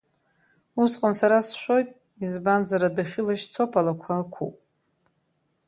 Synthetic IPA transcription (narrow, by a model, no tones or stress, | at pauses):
usqʼənsaɾasʃʷo̞jtʼ | izband͡zaɾadaχʲɪlaʃt͡sʰo̞pʰalakʷʰaːkʷʰṵpʼ